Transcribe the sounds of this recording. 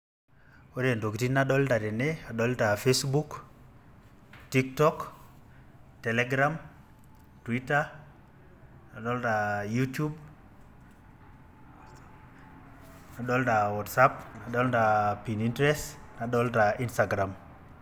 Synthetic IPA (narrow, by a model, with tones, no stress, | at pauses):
wo˦de˨ndo˨ki˨ti˦naɗɔ˦lda˨ɾe˨nea˨ɗɔ˦lta˨fe˦sbuk | ti˦ktɔ˦k | tɛ˨leɡɾa˦m | twi˦ta | na˨ɗɔ˦lda˨jutju˦b | na˨ɗɔ˦lda˨wɔ˨tsapna˨ɗɔ˦lda˨pi˨nintɾɛ˦snaɗɔ˦lta˨ʔi˦nsta˨ɡɾa˨m